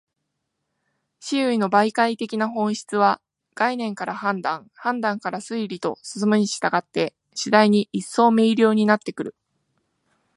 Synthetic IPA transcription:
ɕiɯ̟ino̞baikait̪e̞kʲinaɦõ̞ɰ̃ɕi̥t͡sɨβa | ɡ̥ainẽ̞ŋkaɾahãnd̪ãŋ | hãnd̪ãŋkaɾasɨiɾʲit̪o̞̰sɨ̥sɨmɯ̟ɲ̟iɕi̥t̪aɡat̪ːe̞ | ɕid̪aiɲ̟iʔisːo̞ːme̞iɾʲo̞ːɲ̟inat̪ːe̞kɯ̟ɾɯ̟

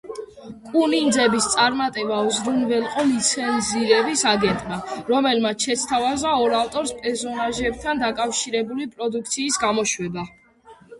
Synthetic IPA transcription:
kʼunind̪zɛbist̪sʼaɾmat̪ʼɛbauzɾunvɛlˠqʼɔlit̪sʰɛnziɾɛbisaɡɛnt̪ʼmaɾɔmɛlmat̪sʰʃɛt̪sʰt̪ʰavazaɔɾaft̪ʼɔɾspʼɛɾsɔnaʒɛb̚t̪ʰand̪akʼafʃiɾɛbulipʼɾɔd̪ukʰt̪sʰiːsɡamɔʃwɛba

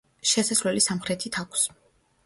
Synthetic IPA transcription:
ʃɛsaslɛlisamχɾɛt̪ʰit̪ʰakʷʰs

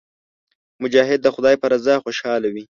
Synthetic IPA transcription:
mʊd͡ʒɑɦɪd̪̚ːəxʊd̪ɑjpəɾazɑxoʃɑlawi

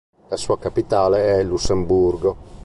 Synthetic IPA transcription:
lasuakapit̪aːleɛlːusːemburɡo

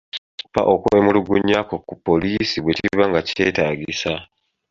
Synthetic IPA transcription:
i̥pːa̰ʔokwemuluɡuɲːakokːupːo̞liːsiβweciiβaŋɡacte̞ːtaːɟisa

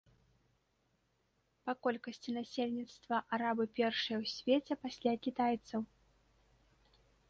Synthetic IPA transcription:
pakɔlʲkɐsʲt͡sʲinasʲelʲnʲit̪st̪vɐʔaɾabɨpʲɛrʂɨjɐwsʲvʲet͡sʲɛpasʲlʲakʲit̪ajt̪sɐw

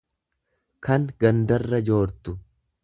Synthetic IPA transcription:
kɐŋɡɐnd̪ɐrːɐd͡ʒo̞ːɾt̪ʊ

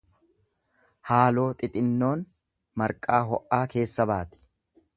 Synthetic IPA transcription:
haːlo̞ːt̪ʼɪt̪ʼɪnːo̞ːn | mɐɾkʼaːɦɔʔaːke̞ːsːɐbaːt̪ɪ̥

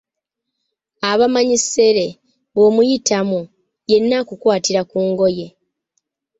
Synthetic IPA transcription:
aβamaɲise̞ɾe̞ | βo̞mujitamu | je̞nːakukwaːtiɾakuːŋɡo̞je̞

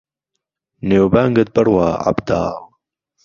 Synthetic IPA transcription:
neːwbaːŋɡət̪̚bɐɾwaːʔa̰bd̪a̰ː

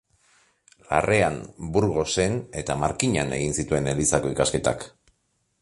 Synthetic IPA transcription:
la̰rʔe̞anbuɾɣ̞o̞se̞ne̞t̪amaɾkiɲane̞̰ɣinsit̪ue̞nelisako̞ikaske̞t̪a̰k

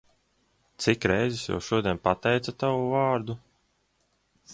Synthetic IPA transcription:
t̪sikɾɛjzisja̰wʃuɔd̪ʲiɛnpat̪ɛjt̪sat̪avuvaːɾd̪u

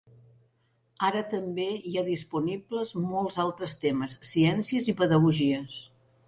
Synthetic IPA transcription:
aɾət̪əmbeiaðispunibləzmɔlˠzalˠt̪ɾəst̪eməsːiɛnsiəzipəðəɣuʒiəs

